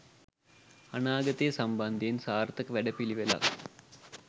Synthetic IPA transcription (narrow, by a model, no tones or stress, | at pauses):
ɐnaːɡɐt̪ːijɐsɐmbɐnd̪ʱijinsaːrt̪ːɐkːɨʋeɽɐpːiliʋɐlɐ̰